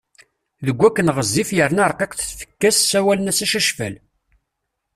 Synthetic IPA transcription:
ðəɡʷːækːənʁəzːifjəɾnɑɾˤqeqθθfə̥kːæssæwælənæsæʃæʃfæ̰l

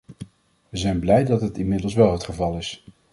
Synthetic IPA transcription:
ʋəzɛjnblɛjdɑtɦətɪnmɪdəlˠsʋɛlˠɦətχəvɑlˠɪs

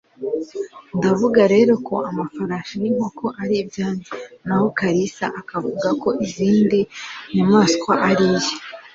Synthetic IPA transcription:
ndavuɡaɾe̞ːɾo̞ko̞ʔamafaɾaːʃanimokʰoʔaɾijbjaːnenaho̞kaɾisa̰ʔakavuɡako̞ʔiziːndinumaːso̥kwaʔaɾiːje

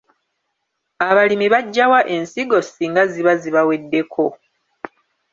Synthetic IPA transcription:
aβalimiβaɟːawaʔe̞nsiɡo̞siːŋɡaziβaziβawe̞dːe̞kʰo̞

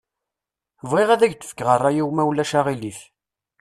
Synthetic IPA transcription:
vʁeʁæðæʝt̪ə̥fə̥kːʁərˤːajiwmæwlːæʃaʁiliθ

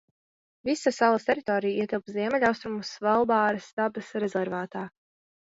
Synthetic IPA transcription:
visasalˠɐst̪ɛɾit̪ɔːɾijiɛt̪ilˠpziɛmɛʎʲawst̪ɾumusvɛlˠbɑːɾɐst̪ab̚d̪əsɾɛzɛɾvaːt̪aː

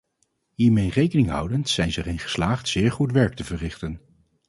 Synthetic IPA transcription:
ɦiːɹmejrejkənɪŋɦʌ̰wdəntsɛjnzərɪnχə̥slaːχtsɪːɹχutʋɛɹk̚təvərɪχtən

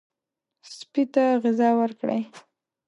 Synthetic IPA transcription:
spit̪aɣɪzɑwəɾkɽa̰j

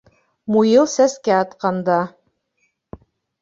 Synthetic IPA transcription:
mujɤlˠsæskæɑt̪qɑnd̪ɑ

